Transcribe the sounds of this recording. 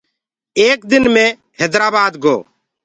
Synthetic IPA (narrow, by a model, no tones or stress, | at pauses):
eːkd̪ɪnmẽː | ɦeːd̪ɾaːbaːd̪ɡoː